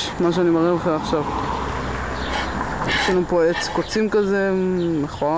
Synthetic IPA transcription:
maʃ̬eanimaʁeleχenaχʃav | jeʃlanupoet͡skot͡simkazemeχoa

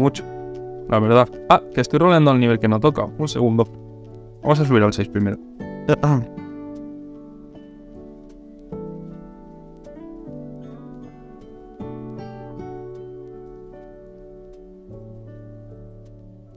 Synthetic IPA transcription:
mut͡ʃo̥lʔaβ̞e̞ɾðaakest̪ojroleand̪olniβe̞lke̞not̪o̞ka̰unse̞ɣund̪o | amos̬as̬uβiɾalse̞jspɾime̞ɾo | a

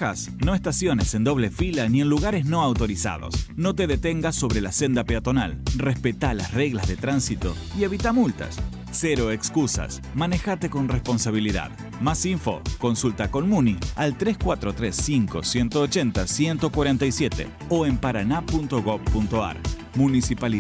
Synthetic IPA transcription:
as | no̞est̪asjo̞nesend̪o̞β̞lefilanie̞nluɣaɾezno̞awt̪oɾisa̰ðo̰sno̞t̪e̞ðet̪eŋɡaso̞βɾelasend̪apeat̪o̞na̰lrespet̪alasreɣlazðet̪ɾansit̪o̞̰ | ie̞βit̪amult̪a̰sː | eɾo̞ekskusa̰s | manexat̪e̞ko̞nrespo̞nsaβ̞iliða̰ð | masiɱfo̞̰ko̞nsult̪ako̞nmunialt̪ɾeskwat̪ɾot̪ɾesːiŋko̰sje̞nt̪oːt͡ʃent̪asjent̪o̞kwaɾent̪ajsjet̪ḛ | oempaɾanapunt̪oɣoβpunt̪oa̰ɾ | munisipal

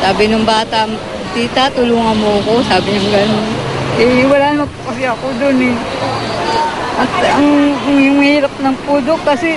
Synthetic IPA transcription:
saːbɪnʊŋbaːt̪ɐm | t̪iːt̪ɐt̪ʊluːŋɐnmoɐko̞saːbɪɲʊŋɡɐnonʔɛwɐlaːnɐmɐpʊkɐsɪjaɐkod̪onɛ | ʔɐt̪̚ɐŋŋjʊŋhiːɾɐp̚nɐŋpuːd̪oʔkɐsɛ

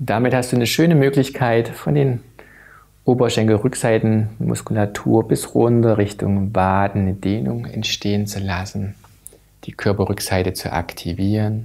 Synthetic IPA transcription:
d̥amɪthastd̥uːnəʃøːnəmøːklɪçkʰaɪtfɔndeːn | ʔoːbɐʃɛŋkl̩ʁʏkz̥aɪtn̩dmʊ̰skulatʰṵːɐbɪsʁʊndɐʁɪçtʊŋvaːdn̩nədeːnʊ̰ŋɛ̰ntʃtʰeːənt͡sulasn̩ | d̥iːkʰœɐpɐʁʏkz̥aɪtət͡sṵʔa̰ktʰiviːʁən

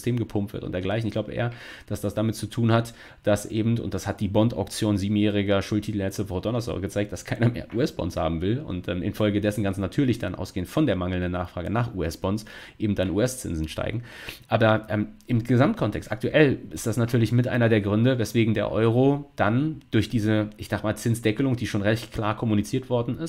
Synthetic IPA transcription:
stʰeːmɡəpʰʊmptv̥ɪ̰ɐtʊ̰ntd̥eːɐɡlaɪçnɪçkɡ̥laʊbəʔḛːɐd̥asd̥asd̥amɪt̚t͡sutʰuːnhat | d̥asʔeːbm̩tʊ̰ntd̥ashat̚d̥iːbɔnta̰ʊk̚t͡sjoːnziːbm̩jɛːʁ̞ɪɡɐʃʊltʰitl̩jɛt͡sɪvɔʁətd̥ɔnəsɔ̰ːɡ̥ət͡saɪk̚d̥askʰaɪnɐmḛːɐʔuɛsb̥ɔ̰nsha̰ːbm̩vɪlʊ̰ntʔɛːmʔɪ̰nfɔlɡədɛsn̩ɡansnatʰyːɐlɪçd̥anʔa̰ʊsɡ̥eːənfɔndeːɐmaŋl̩ndənːaːχfʁ̥aːɡənaːχʔṵɛsb̥ɔnsʔeːbm̩t̚d̥anṵːɛst͡sɪ̰nzn̩ʃta̰ɪɡŋ̩ | ʔaːbɐʔɛːmʔɪmɡəzamt̚kʰɔntʰɛkstak̚tuʔɛlʔɪstd̥asnatʰyːɐlɪçmɪtʔa̰ɪnɐdeːɐɡʁʏndəvɛsv̥eːɡŋ̩deːɐʔɔʏʁ̞od̥and̥ʊɐçd̥iːzəɪçz̥aːχəmaːlt͡sɪnsd̥ɛkəlʊŋd̥iːʃoːnʁɛçtkʰl̥a̰ːɐkʰɔmunit͡siːɐtv̥ɔɐdn̩ɪst

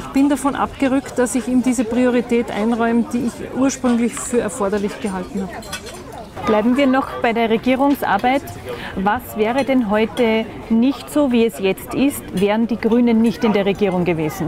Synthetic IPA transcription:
ɪçb̥ɪndafɔnʔa̰pɡ̥əʁʏkt̚d̥asɪçiːmdiːzəpʁioʁ̞itɛːtʔa̰ɪnʁɔʏmd̥iːɪçʔuːɐʃpʁʏŋlɪçfyːɐɛɐfɔɐdɐlɪçɡ̥əɦaltn̩haːbə | b̥laɪbm̩viːɐnɔχb̥aɪdeːɐʁeɡiːʁ̞ʊŋsʔa̰ɐbaɪtvasv̥ɛːʁədɛnɦɔʏtə | nɪçtsoːviːɛsjɛt͡stɪstvɛːʁənd̥iːɡʁyːnənːɪçtɪndeːɐʁeɡiːʁ̞ʊŋɡəveːzn̩

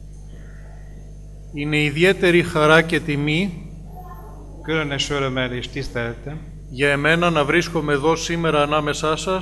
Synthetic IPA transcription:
ine̞iðie̞t̪e̞ɾixɐɾɐce̞t̪imi | kyɾeneʃoɾemeɾiʃt̪isθeɾet̪e | ʝɐe̞me̞nɐnɐvɾisko̞me̞ːðo̞sime̞ɾɐːnɐme̞sɐsɐs

